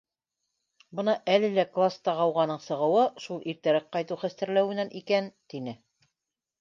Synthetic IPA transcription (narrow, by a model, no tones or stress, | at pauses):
bɤnɑʔælɘ̆læklˠast̪ɑʁɑwʁɑnɤɴsɤ̆ʁɤ̆wɤʃulˠʔiɾt̪æɾæk̚qɑjt̪uwχæst̪æɾlæwɘ̆nænʔikænt̪inɘ